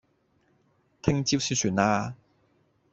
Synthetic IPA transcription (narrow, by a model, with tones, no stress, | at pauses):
t̪ʰɪ˥ŋt͡ɕi˥wsi˧syː˨˩˦naː˧